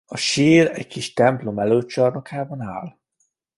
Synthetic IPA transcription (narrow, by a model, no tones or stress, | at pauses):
ɒʃiːlɛ̰ɟkiʃt̪ɛmplo̞mɛløːt̪̚t͡ʃɒrno̞kaːbɒna̰ːl